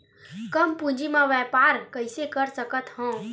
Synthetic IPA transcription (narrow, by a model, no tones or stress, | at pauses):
kəmpũd͡ʒimãʋɛːpaːɾkəɪsekəɾsəkət̪ɦɔ̃ː